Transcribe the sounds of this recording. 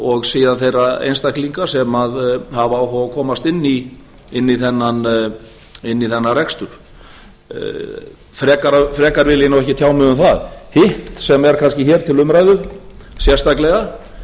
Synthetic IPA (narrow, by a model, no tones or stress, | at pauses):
ɔɣsiːðanθejraḛjnst̪akliŋkasɛmaðhavaːwɦɔakʰɔːmast̪ɪnːi | ɪnːiθɛnːan | ɪnːiθɛnːarɛkst̪ʏɾ̥ | fɾɛːkaɾafɾɛːkaɾvɪlinawɛhcɪt̪ʰjaːwmʏɣʏmθaðhɪht̪sɛmɛɾ̥kʰanscɪçɛɾ̥t̪ʰɪlʏmɾajðʏ | sjɛr̥st̪aklɛɣa